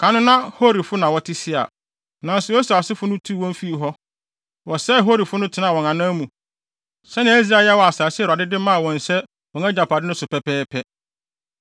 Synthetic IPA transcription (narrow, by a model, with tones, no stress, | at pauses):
kʰã˨˦nʊ̃˦nã˦ho˦ɾi˨fʊ˦nã˨wɔ˨tʰɪ˦sɪ˦a̰˨ | nã˨n̩˦sʊ˨je˦su˨a˨sɪ˦fʊ˦nʊ̃˦tʰu˦˨wɔ̃˦m˦fi˦i˨ɦɔ˦ | wɔ˨sɛ˦˨ɦo˦ɾi˨fʊ˦nʊ̃˦tʰɪ˨nã˦˨wɔ̃˨ŋã˨nã˦mũ˨ | sɛ˦nã˨˦æ˦zi˨a˦ja˦wɔ˨a˨saː˨sɪ˦˨a˨dɪ˦dɪ˦mã˦a˨wɔ̃˨n̩˨sɛ˦ | wɔ̃˨ŋæ̃˦d͡ʑa˨pʰa˨dɪ˦nʊ̃˦sʊ˨pɛ˦pʰɛː˦pʰɛ˦